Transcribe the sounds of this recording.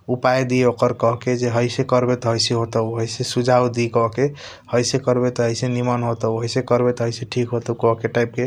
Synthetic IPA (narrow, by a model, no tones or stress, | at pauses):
upajd̪ieokəɾkɔɦked͡ʒeɦəɪsekəɾbet̪ɔɦəjseɦot̪əɦəjsesud͡ʒʱaud̪ikɔɦke | həjsekəɾbet̪ɔɦəjsenimənɦot̪əwɦəjsekəɾbet̪ɔɦəjseʈʰikɦot̪əkɔɦkeʈajp̚ke